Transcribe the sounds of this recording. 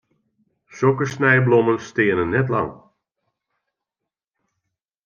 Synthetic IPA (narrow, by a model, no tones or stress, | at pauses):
sokəsnɛjblɔmənstɪənənːɛt̬lɑ̰ŋ